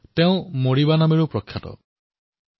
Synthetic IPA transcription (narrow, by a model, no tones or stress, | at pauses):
teʊ̃moɽibanamiɾupɾɔkʰjatɔ̰